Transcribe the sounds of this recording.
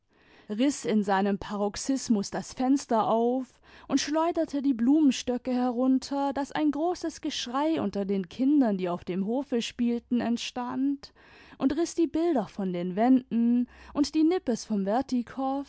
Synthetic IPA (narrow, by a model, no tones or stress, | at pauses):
ʁɪsɪnzaɪnəmpʰaʁɔksɪsmʊsd̥asfɛnstɐʔaʊf | ʔʊntʃlɔʏdɐtʰədiːbluːmənʃtœkəhɛɐʁ̞ʊntʰɐd̥asa̰ɪnɡʁoːsəsɡ̥əʃʁ̥aɪʔʊ̰ntɐdeːnkʰɪndɐndiːaʊfd̥eːmɦoːfəʃpiːltn̩ɛntʃtant | ʔʊntʁɪsd̥iːbɪldɐfɔndeːnvɛndn̩ʔʊntd̥iːnɪpəsfɔmvɛɐtikʰɔf